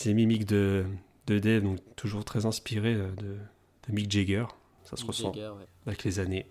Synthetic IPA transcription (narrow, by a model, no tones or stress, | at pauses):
semimikd̪ə | d̪əd̪ɛd̪ɔ̃kt̪ʰuʒuʁt̪χɛzɛ̃spiʁeød̪ə | d̪̥əmikd͡ʒeɡœʁ | sasəʁəsɑ̃ | avɛklezane